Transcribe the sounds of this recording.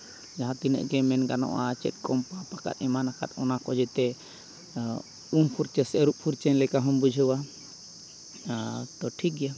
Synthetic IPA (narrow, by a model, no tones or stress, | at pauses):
d͡ʒaɦãt̪inɛ̰ʔɡɛmɛnɡanɔ̰ʔat͡ʃɛ̰t̪̚ˀkɔmpapaka̰t̪ɛmanaka̰t̪̚ɔnakɔd͡ʒɛt̪ɛ | umpʰuɾt͡ʃɛsɾuʔ̚pʰuɾt͡ʃɛnlɛkaɦɔmbud͡ʒʱəwa | t̪ɔʈʰik̚ɡɛja